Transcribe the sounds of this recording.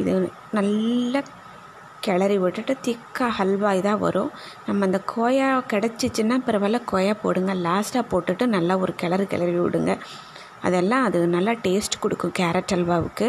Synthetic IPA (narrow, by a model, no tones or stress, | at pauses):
ɪðɯ | nɐlːɐ | kɛɭɐɾiʋɪʈːɯʈːɯt̪ɪkːaːhɐlʋaːjt̪ãːʋɐ̰ɾʊ̰̃ | nɐmːɐɪnd̪ɐkʰoːjaːkɛɽɛt͡ʃːɯt͡ʃːɯnːaːpɪɾɐʋɐːlɐ̃koːjaːpo̰ːɽɯŋɡɐlaːsʈaːpoːʈːɯʈːɯnɐlːaːɔɾɯkɛɭɐɾikɛ̰ɭɐɾiʋɪ̰ɽɯŋɡɐ | ɐ̰ðɛlːãːɐðɯnɐlːaːʈeːsʈkɔɽɯkːʊ̃kaːɾɐʈːɐlʋaːʋɯ̰kːɯ